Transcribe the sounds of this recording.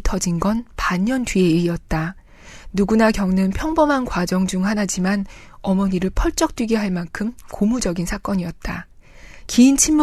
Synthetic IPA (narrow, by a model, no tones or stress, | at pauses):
tʰʌd͡ʑinɡʌnpaɲʌntɥie̞iiʌt̚t͈a | nuɡunakjʌŋnɯnpʰjʌŋbʌmɦankwad͡ʑʌŋd͡ʑuŋhanad͡ʑimanʌmʌɲiɾɯɭpʰʌɭt͡ɕ͈ʌk̚t͈wiɡeɦaɭmankʰɯmkomud͡ʑʌɡinsʰak͈ʌɲiʌt̚t͈a | kiːnt͡ɕʰimmː